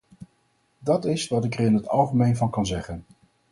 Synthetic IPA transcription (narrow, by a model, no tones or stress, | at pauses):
dɑtɪsʋɑtɪkərɪnɦətɑ̰lˠχəmejnvɑnkɑnzɛχən